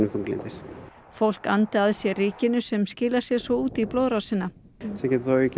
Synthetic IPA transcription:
nɪmfuŋklɪ̰nt̪ɪs | fowl̥ka̰nt̪aðsjɛriːcɪnʏsɛmscɪːlḁsjɛsvɔuːt̪iploːðɾawsɪnːa | sɛcɛt̪θoʏc

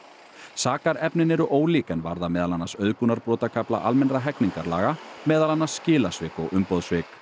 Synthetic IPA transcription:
saːkaɾɛpnɪnɛɾʏʔoːwliːkɛnvaɾðamɛːðalanːasœðkunaɾpɾɔːt̪akʰapla̰ʔalmɛnraɦɛkniŋkaɾla̰ːɣamɛːðalanːasːcɪːlasvɪːkɔɣʏmpɔðsvɪːk

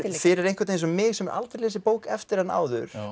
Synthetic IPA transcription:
fɪɾɪɾej̪ŋ̥kvaɾt̪ẽjnsɔmɪːɣsɛmɛɾʔa̰lt̪ɪɾlesɪpoːwkɛft̪ɪɾ̥hanːa̰ːwðʏ̰ɾ̥

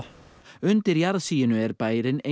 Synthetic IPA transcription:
ʏnt̪ɪɾjaɾðsiːɪnʏɛɾbaːjɾɪne

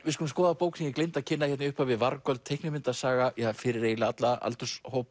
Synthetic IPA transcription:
vɪskulːmskɔːðapoːwksniɲcːklejnt̪acʰɪnːaçɛt̪nʏhpavɪðvaɾkœlt̪ʰejhknɪmɪnt̪asaːɣajɛafɪɾɪɾeːjlat̪laa̰lt̪ʏshoːwp

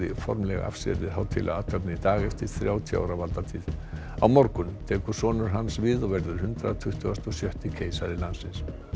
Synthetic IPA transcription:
ɪfɔɾmlɛɣa̰a̰fsɛ̰ɾðɪðɦawt̪ʰɪ̰lʔa̰at̪ʰɛpnɪit̪aːɣɛft̪ɪɾ̥θɾjaːwt̪ʰia̰ːwɾawvalt̪at̪ʰiːð | awmɔɾkʏnt̪ʰɛːkʏ̥sɔːnʏɾ̥ɦansvɪðɔɣvɛɾðʏɾ̥hʏnt̪ɾat̪ʰʏht̪ʏɣast̪ɔsjœht̪ɪcʰeːjsaɾɪlansɪns

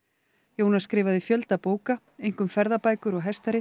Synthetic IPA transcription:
joːwnaskɾɪːvaðɪfjœlt̪apoːwka | ejŋ̥kʏmfɛɾðapaːjkʏɾɔɣɦɛst̪aɾɪ

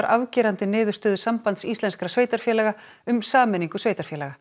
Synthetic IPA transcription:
ɾʔavcɛːɾant̪ɪnɪːðʏ̥st̪ʏːðʏsampant̪sist̪lɛnskɾasveːjt̪aɾ̥fjɛːlɛɣa | ʏmsaːmɛniŋkʏsveːjt̪aɾ̥fjɛːlɛɣa

